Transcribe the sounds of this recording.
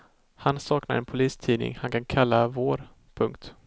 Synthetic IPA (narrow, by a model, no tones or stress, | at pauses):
hansɑːkna̰ɾɛnpʰʊliːst̪ʰiːnɪ̰ŋhankʰankʰalːavoːɾ | pʰɵŋk̚t̪